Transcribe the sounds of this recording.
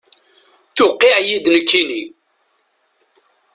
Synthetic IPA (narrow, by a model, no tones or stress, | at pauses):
θʊqːiʕjid̪nəkːini